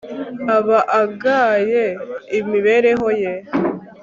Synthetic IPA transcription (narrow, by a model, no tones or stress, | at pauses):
aβaʔaɡaːjeimiβe̞ɾe̞ɦo̞je